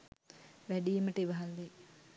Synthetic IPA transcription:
ʋæɖijəməʈəiʋɐɦalːe

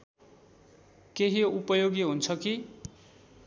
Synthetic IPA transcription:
keɦiupʌjoɡiɦunt͡sʰʌki

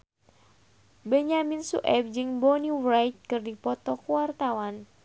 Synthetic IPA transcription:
bɛɲaminsṵʔɛb̚d͡ʒɨŋbɔniwrajt̪̚kɨrdipɔt̪ɔkuwart̪awan

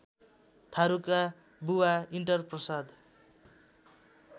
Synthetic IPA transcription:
t̪ʰaɾuka | buwaiɳʈʌrprʌsad̪

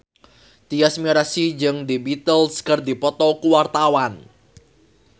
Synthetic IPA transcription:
t̪iasmiɾasid͡ʒɨŋd̪ibit̪əlskərd̪ipɔt̪ɔkuwart̪awan

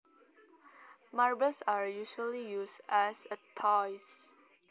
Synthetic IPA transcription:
maɹbəlsaɹjuʃəlijusɛsətʰɔjs

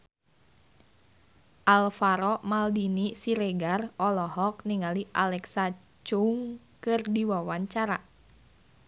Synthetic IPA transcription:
ʔalfaɾɔmaldinisiɾɛɡarɔlɔɦɔk̚niŋaliʔalɛksa | t͡ʃuŋ | kɨrdiwawaɲt͡ʃaɾa

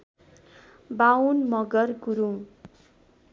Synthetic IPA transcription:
bawnmʌɡʌrkuɾuŋ

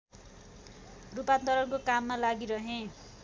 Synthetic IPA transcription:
rupat̪d̪ʌɾʌrkokamːalaɡiɾʌɦẽ

